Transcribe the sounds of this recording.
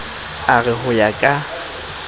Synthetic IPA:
aɣɛɦʊjakʼa

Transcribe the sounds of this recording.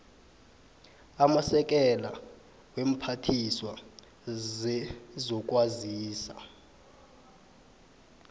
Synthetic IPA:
amasɛk̬ʼɛla | wem̩pʰatʰiswa | ɛzɔk̬ʼwaziːsa̰

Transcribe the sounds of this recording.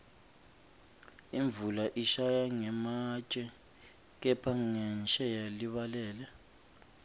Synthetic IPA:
iɱbvulaʔiʃajaŋɛmat͡ʃʼɛ | k̬ɛpʰaŋɛnʃɛjaliβalɛːlɛ

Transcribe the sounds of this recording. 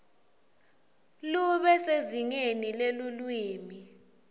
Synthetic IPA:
luɓɛseziŋenilelulwiːmi

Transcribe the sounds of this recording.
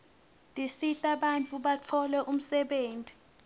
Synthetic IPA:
ndʱisitʼaɓant͡fʰʼuɓat͡fʰɔlɛʔum̩sɛɓeːntʼi

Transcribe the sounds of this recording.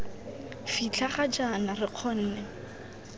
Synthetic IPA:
fit͡ɬʰaχad͡ʒanarɪq͡χʰɔn̩ːnɛ

